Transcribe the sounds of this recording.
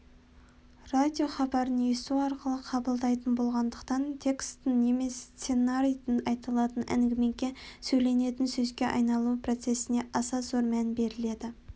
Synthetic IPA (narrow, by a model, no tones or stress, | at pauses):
rad̪ʲio̞χɑbɑɾənjest̪uwɑɾqəlˠəqʰɑbəlˠd̪ɑjt̪ənbo̞lˠʁɑnd̪əqt̪ɑnt̪ʲʰe̞kst̪ːəŋne̞me̞st̪se̞naɾijt̪ɪnɑjt̪əlˠɑt̪ənʔæ̰ŋɡʲɪme̞ŋkʲe̞sɵjle̞ne̞t̪ɪnsɵzɡʲe̞ʔɑ̰jnɑlˠupʰro̞t̪se̞sɪne̞ʔɑsɑzoɾmænbe̞ɾɪle̞d̪ɪ